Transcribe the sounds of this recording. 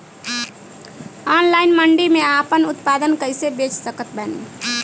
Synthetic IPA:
ɔnlaɪnməɳɖimeapənʊt̪pad̪ənkəɪsebet͡ʃsəkət̪̚bɛnḭ

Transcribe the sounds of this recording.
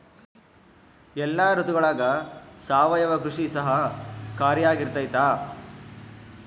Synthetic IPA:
ɛlːaːɾut̪uɡɐɭaːɡɐsaːʋɐjɐʋɐkɾuʂisɐɦɐkaːɾjaːɡiɾt̪ɐjt̪aː

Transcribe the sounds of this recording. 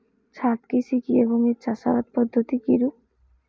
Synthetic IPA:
t͡ɕʰat̪kisikieboŋeɾt͡ɕaʃaɾat̪̚pɔd̪ʱːot̪ikiɾu

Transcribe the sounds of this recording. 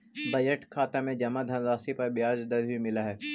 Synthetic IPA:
bɐjəʈkʰaːt̪amẽd͡ʒɐmad̪ʱɐnd̪aːsipɐɾbjaːd͡ʒd̪ɐɾbimɪlaɦɛː

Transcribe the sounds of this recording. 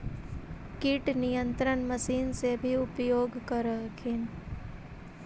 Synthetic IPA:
kiʈnijə̃nt̪ɾənmɐsiːnsebʱiʊpjoːɡkəɾəkʰɪn

